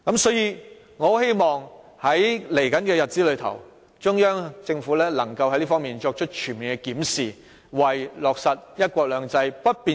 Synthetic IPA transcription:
kɐ˨˥msɔː˨˥jiː˧ | ŋɔː˨˧he˥jmɔː˨ŋ | hɐ˨˥jle˨˩jkɐ˨˥nkɛː˧jɐ˨t̚t͡siː˨˥lɵ˨˧ɥt̪ʰɐ̰˨˩w | t͡ʃʊ˥ŋjœː˥ŋt͡sɪ˧ŋfuː˨˥lɛː˥lɐ˨˩ŋkɐ˧whɐ˥jliː˥fɔː˥ŋmiː˨nt͡ʃɔː˧k̚t͡ʃʰɵ˥t̚t͡ʃʰyː˨˩nmiː˨nkɛ˧kiː˨˥msiː˨˩ | wɐ˨jlɔː˨k̚sɐ˨t̚jɐ˥t̚kʷɔː˧k̚lœː˨˧ŋt͡sɐ˧jpɐ˥t̚piː˨

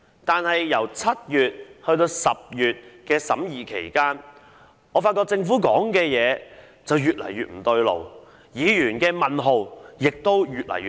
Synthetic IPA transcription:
t̪aː˨nhɐ˨jːɐ˨˩wt͡sʰɐ˥t̚jyː˨t̚hɵ˧ɥt̪̬o˧wsɐ˨p̚jyː˨t̚kɛː˧sɐ˨˥mjiː˨kʰe˨˩jkaː˥n | ŋɔː˨˧fa˧tkːɔː˧k̚t͡sɪ˧ŋfuː˨˥kɔː˨˥ŋkɛː˧jɛː˨˧ | t͡sɐ˨wjyː˨t̚lɐ̰˨˩jɥyː˨t̚m̩˨˩t̪ɵ˧ɥlo̰˨˩w | jiː˨˧jyː˨˩nkɛː˧mɐ˨nɦo˨˩wjɪ˨k̚t̪o˥wjyː˨t̚lɐ̰˨˩jː

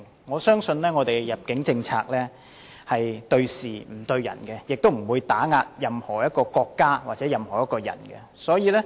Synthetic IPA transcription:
ŋɔː˨˧sœː˥ŋsɵ˧nlɛː˥ŋɔː˨˧t̪e˨jjɐ˨˩p̚kɪ˨˥ŋt͡sɪ˧ŋt͡sʰaː˧k̚lɛː˥ | hɐ˨jt̪ɵ˧ɥsiː˨m̩˨˩t̪ɵ˧ɥjɐ̰˨˩nkɛ˧jɪ˨k̚t̪wm̩˨˩wuː˨˧jt̪aː˨˥ŋaː˧t̚jɐ˨mhɔː˨˩jɐ˥t̚kɔː˧kɔː˧kːaː˥waː˨t̚t͡sɛː˨˥jɐ˨mhɔː˨˩jɐ˥t̚kɔː˧jɐ̰˨˩nkɛ̰˧ | sɔː˨˥jiː˨˧lɛː˥

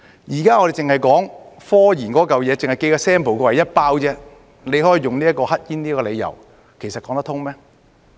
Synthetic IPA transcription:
jiː˨˩kaː˥ŋɔː˨˧ɾe˨jt͡sɪ˨ŋhɐ˨jkɔː˨˥ŋfɔː˥jiː˨˩nkɔː˨˥kɐ˨wjɛː˨˧t͡sɪ˨ŋhɐ˨jke˧jkaː˧sɛː˥mpʰwkɛː˧wɐ˨jːɐ˥t̚paː˥wt͡sɛː˥ | ne˨˧jɦɔː˨˥ji˨jʊ˨ŋliː˥ɐ˥t̚kɔː˧hɐ˥t̚jiː˥niː˥kɔː˧le˨˧jɐ̰˨˩w | kʰe˨˩sɐ˨t̚kɔː˨˧˥ŋt̪ɐ˥t̪ʰʊ˥ŋmɛː˥

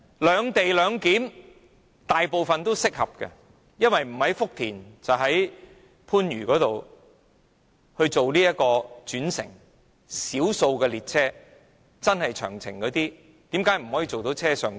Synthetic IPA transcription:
lœː˨˧ŋt̪e˨jlœː˨˧ŋkiː˨˥m | t̪aː˨jpo˨wfɐ˨nt̪o˥wsɪ˥k̚hɐ˨p̚kɛ̰˧ | jɐ˥nwɐ˨jm̩˨˩hɐ˨˥jfʊ˥k̚t̪ʰiː˨˩nt͡sɐ˨˩wɦɐ˨˥j | pʰuː˥nɥyː˨˩kɔː˨˥t̪o˨w | hɵ˧ɥt͡so˨wliː˥jɐ˥t̚kːɔː˧t͡ʃyː˨˥nsɪ̰˨˩ŋ | siː˨˥wso˧wkɛ˧liː˨t̚t͡sʰɛː˥ | t͡sɐ˥nhɐ˨jt͡ʃʰœ̰ː˨˩ŋt͡sʰɪ̰˨˩ŋkɔː˨˧˥t̪iː˥ | t̪iː˨˥mkaː˨˥jm̩˨˩ɦɔː˨˥jiː˨t͡so˨wt̪o˨˥wt͡sʰɛː˥sœː˨ŋ

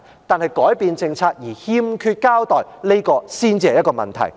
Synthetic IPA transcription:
t̪aː˨nhɐ˨jkɔː˨˥jpiː˨nt͡sɪ˧ŋt͡sʰaː˧k̚jiː˨˩hiː˧˥mkʰyː˧t̚kaː˥wt̪ɔː˨jle˥kɔː˧siː˥nt͡si˥hɐ˨jɐ˥kɔː˧mɐ̰˨˩nt̪ʰɐ̰˨˩j

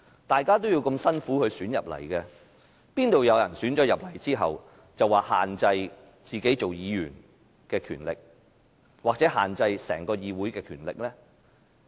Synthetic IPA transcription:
t̪aː˨jkaː˥t̪o˥wjiː˧wkɵ˧msɐ˥nfuː˨˥hɵ˨˧syː˨˥njɐ˨p̚lɐ̰˨˩jkɛ˧ | piː˥nt̪o˨wjɐ˨˧wjɐ˨˩nsyː˨˥nt͡ʃɔː˨˥jɐ˨p̚lɐ˨˩jt͡siː˥ɦɐ̰˨w | t͡sɐ˨waː˨˩ha̰ː˨nt͡sɐ˧j | t͡siː˨ke˨˥jt͡so˨wjiː˨˧jy̰ː˨˩n | kɛː˧kʰy̰ː˨˩nlɪ̰˨k̚ | waː˨k̚t͡sɛː˨˥haː˨˩nt͡sɐ˧jsɛ̰ː˨˩ŋkɔː˧jiː˨wu˨˥jkɛː˧kʰyː˨˩nlɪ̰˨k̚lɛː˥

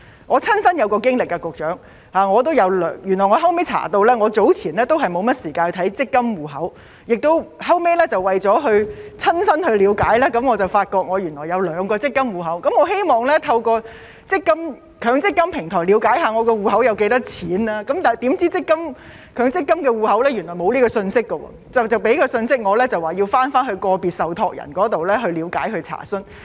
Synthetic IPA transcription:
ŋɔː˨˧t͡sʰɐ˥nsɐ˥njɐ˨˧wkɔː˧kɪ˥ŋlɪ˨kːɛ˧kʊ˨˩k̚t͡ʃœː˨˥ŋ | haː˨ŋɔː˨˧t̪̬o˥wjɐ˨˧wlœː˨ŋjy˨˩nɔː˨˩jŋɔː˨˧ɦɐ˥wme˥jt͡sʰa̰ː˨˩t̪o˧wlɛː˥ŋɔː˨˧t͡so˨˥wt͡sʰiː˨˩nlɛː˥t̪o˥wɦɐ˨jmo˨˧wmɐ˥t̚siː˨˩kaː˧n˧t̪ʰɐ˨˥jt͡sɪ˥kːɐ˥mwuː˨˩ɦɐ˨˥w | jɪ˨k̚t̪o˥whɐ˥wme˥lɛː˥t͡sɐ˨wwɐ˨jt͡sɔː˨˥ɦɵ˧ɥt͡sʰɐ˥nsɐ˥nhɵ˧ɥliː˨˧˥wkaː˨˥jlaː˥kɐ˨˥mŋɔː˨˧t͡sɐ˨˩wfaː˧t̚kɔː˧k̚ŋɔː˨˧jy˨˩nɔː˨˩jɐ˨˧wlœː˨˧˥ŋkɔː˧t͡sɪ˥kːɐ˥mwuː˨˩ɦɐ˨˥wkɐ˨˧˥mŋɔː˨˧ɦe˥jmɔː˨˩ŋlɛ˥t̪ʰɐ˧wkɔː˧ | t͡sɪ˥kːɐ˥m | kʰœː˨˧ŋt͡sɪ˥kːɐ˥mpʰɪ˨˩ŋt̪ʰɔː˨˩jli˨˧˥wkaː˨˥jɦaː˨˧ŋɔː˨˧kɔː˧wuː˨˧ɦɐ˨˥wjɐ˨˧wke˨˧˥jt̪ɐ˥t͡sʰiː˨˥nlaː˥kɐ˨˥mt̪aː˨˩jt̪iː˨˥mt͡siː˥t͡sɪ˥kːɐ˥m | kʰœː˨˧ŋt͡sɪ˥kːɐ˥mkɛː˧wuː˨˧hɐ˨˥wlɛː˥jy˨˩nlɔː˨˩jmo˨˧wliː˥kɔː˧sɵ˧nsɪ˥kːə˧wɔ̰ː˧˩t͡sɐ˨wt͡sɐ˨wpe˨˥jkɔː˧sɵ˧nsɪ˥k̚ŋɔː˨˧lɛː˥t͡sɐ˨waː˨˩jiː˧wfaː˥nfaː˥nɦɵ˧ɥkɔː˧piː˨˩t̚sɐ˨wt̪ʰɔː˧k̚jɐ̰˨˩nkɔː˨˥t̪o˨wlɛː˥ɦɵ˧ɥliː˨˧wka̰ː˨˥jɦɵ˧ɥt͡sʰa̰ː˨˩sɵ˥n

